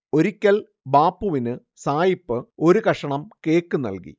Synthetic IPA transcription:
o̞ɾikʲːɐl | baːpːuʋinɨ | saːjipːɨo̞ɾukɐʂɐɳɐmke̞ːkːɨnːɐ̰lkḭ

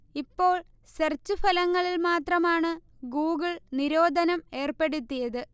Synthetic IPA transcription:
ipːo̞ːɭ | sɐrt͡ɕːufɐlɐŋːɐɭilmaːt̪rɐmaːɳɨ | ɡuːɡɐɭniɾo̞ːd̪ʱɐnɐme̞ːrpe̞ɽut̪ːijɐðɨ

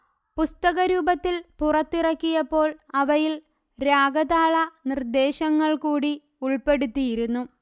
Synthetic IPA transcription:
pust̪ɐɣɐɾuːbɐt̪ːilpurɐt̪ːirɐkːijɐpːo̞ːɭɐʋɐjil | ɾaːɡɐðaːɭɐnird̪e̞ːɕɐŋːɐɭkuːɽi | uɭpe̞ɽut̪ːijiɾunːu

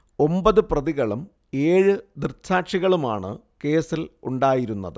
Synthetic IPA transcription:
o̞mbɐðɨprɐðiɣɐɭum | e̞ːɻɨd̪irt͡ɕʰaːʈʂiɣɐɭumaːɳɨ̰ | ke̞ːsilṵɳɖaːjiɾunːɐ̰ðɨ

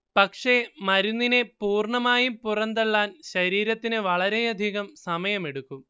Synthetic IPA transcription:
pɐkʂe̞mɐɾunːinepuːrɳɐmaːjupurɐnd̪eɭːaːnɕɐɾiːɾɐt̪ːinɨʋɐɭɐɾe̞jɐd̪ʱiɣɐmsɐmɐjɐme̞ɽukːum

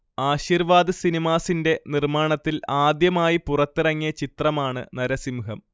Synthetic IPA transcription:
aːɕiːrʋaːd̪ɨsinimaːsinde̞nirmaːɳɐt̪ːilaːd̪jɐmaːjipurɐt̪ːirɐŋːijɐt͡ɕit̪rɐmaːɳɨ̰nɐɾɐsimuɦɐm

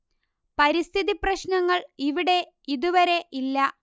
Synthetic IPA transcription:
pɐɾist̪ʰiðiprɐɕnɐŋːɐɭiʋiɽe̞ | iðuʋɐɾe̞ʔilːɐ

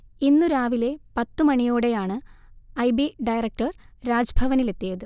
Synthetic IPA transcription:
inːuɾaːʋile̞pɐt̪ːɨmɐɳijo̞ːɽe̞jaːɳɨɐjbiɖɐjrɐk̚ʈɐrɾaːd͡ʑɐbʱɐʋɐnile̞t̪ːijɐðɨ

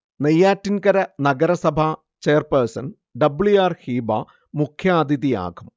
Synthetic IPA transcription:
nejːaːtːinkɐɾɐnɐɡɐɾɐsɐbʱa | t͡ɕejɐrpersɐn | ɖɐbɭuaːrhiːba̰ː | mukʰjaːd̪iðija̰ːɡum

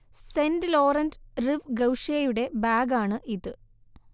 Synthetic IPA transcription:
sendɨlo̞ːrɐndriʋɡɐwʂɐɐjuɽe̞baːɡaːɳɨʔiðɨ

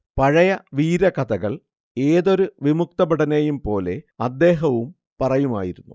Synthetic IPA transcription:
pɐɻɐjɐʋiːɾɐkɐd̪ɐɣɐɭ | e̞ːðo̞ɾuʋimuk̚t̪ɐbɐɽɐnejumpo̞ːle̞ɐd̪ːe̞ːɦɐʋum | pɐrɐjuma̰ːjiɾunːṵ

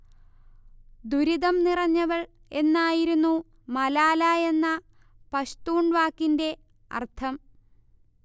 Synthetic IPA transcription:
d̪uɾiðɐmnirɐɲːɐɣɐɭ | e̞nːaːjiɾunːu | mɐlaːlae̞nːɐ | pɐɕt̪uːɳɖʋaːkːinde̞ | ɐ̰rt̪ʰɐm

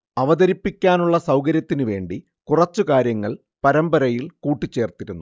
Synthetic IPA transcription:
ɐʋɐðɐɾipːikʲːaːnuɭːɐsɐwkɐɾjɐt̪ːinɨʋe̞ːɳɖi | kurɐt͡ɕːukaːɾjɐŋːɐɭ | pɐɾɐmbɐɾɐjilkuːʈːit͡ɕːe̞ːrt̪iɾunːu

